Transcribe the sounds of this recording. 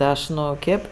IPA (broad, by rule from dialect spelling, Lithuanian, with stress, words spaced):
ˈɐʃ ˈnʊ ˈkʲeːp